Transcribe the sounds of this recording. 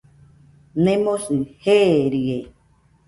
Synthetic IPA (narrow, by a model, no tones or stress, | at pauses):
nẽmosɨheɾie